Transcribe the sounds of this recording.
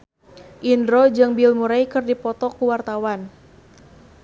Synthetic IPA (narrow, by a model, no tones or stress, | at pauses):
ʔindɾɔd͡ʒɨŋbilmuɾajkɨrdipɔt̪ɔkuwart̪awan